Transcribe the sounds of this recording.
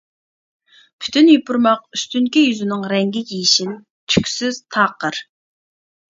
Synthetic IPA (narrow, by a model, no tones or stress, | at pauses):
pʰy̥t̪ʰynjipʰʊɾmɑq̚yst̪yŋkʲijyzɪnɪŋɾɛŋɡʲɪjʲijʃin | t̪ʰy̥kʲsyz̥t̪ʰɑːqəɾ